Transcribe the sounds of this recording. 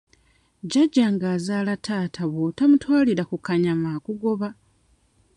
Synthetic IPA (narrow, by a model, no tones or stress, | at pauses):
ɟaɟːaŋɡaːzaːlatʰaːtʰaβo̞tamutwaːliɾakukaɲamaːkuɡo̞βa